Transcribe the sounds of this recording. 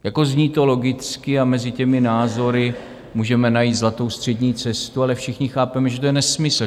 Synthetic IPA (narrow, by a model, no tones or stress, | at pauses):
jako̞zɲiːt̪o̞lo̞ɡɪt͡skɪamɛzɪcɛmɪnaːzo̞ɾɪ | muːʒɛmɛnajiːt̪zlat̪o̞wst̪r̝̥ɛdɲiːt͡sɛst̪ualɛfʃɪxɲɪxaːpɛmɛʒɛt̪ojɛnɛsmɪsl̩